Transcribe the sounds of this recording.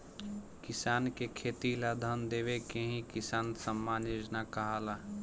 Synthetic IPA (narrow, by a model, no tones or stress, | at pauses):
kɪsaːnkekʰeːt̪ilad̪ʱənd̪eːʋekẽɦĩkɪsaːnsəmːaːnod͡ʒnakəɦaːla